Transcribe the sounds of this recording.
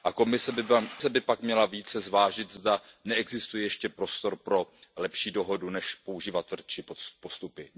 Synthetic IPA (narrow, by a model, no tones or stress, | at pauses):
ʔako̞mɪsɛbɪasɛbɪpakmɲɛlaviːt͡sɛzvaːʒɪt̪zdanɛɛɡzɪst̪ujɛjɛʃcɛpɾo̞st̪o̞ɾpɾo̞lɛpʃiːdo̞ɦo̞dunɛʃpo̞uʒiːvat̪ːvr̩t̪t͡ʃɪpopost̪upɪ